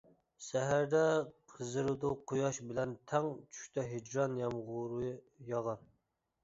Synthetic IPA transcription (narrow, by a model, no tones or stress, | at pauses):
sɛɦæɾd̪ɛqʰəzɨɾɨd̪uqʰojɑʃbɪlɛnt̪ʰɛŋt͡ʃʰy̥ʃʲt̪ʰɛɦed͡ʒɾɑnjɑmʁʊɾɨ | jɑʁɑɾ